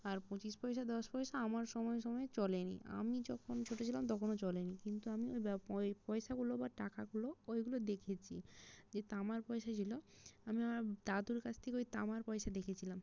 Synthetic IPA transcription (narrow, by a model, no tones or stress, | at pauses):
aɾpõt͡ɕiʃpɔjʃad̪ɔʃpɔjʃaamaɾʃɔmɔeʃɔmɔet͡ɕɔlenḭʔa̰mid͡ʑɔkʰont͡ɕʰoʈot͡ɕʰilamt̪ɔkʰonot͡ɕɔlenikint̪uamiojbpɔjʃaɡulobaʈakaɡuloojɡulod̪ekʰet͡ɕʰid͡ʑet̪amaɾpɔjʃat͡ɕʰiloamiamaɾd̪ad̪uɾkat͡ɕʰt̪ʰekeojt̪amaɾpɔejʃad̪ekʰet͡ɕʰilam